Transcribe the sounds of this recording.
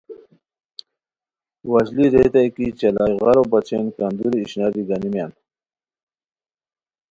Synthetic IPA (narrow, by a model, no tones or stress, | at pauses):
waʑliɾet̪ajkit͡ɕɐlajɣɑɾobat͡ɕenkand̪uɾiːɕnaɾd̪iɡanimjan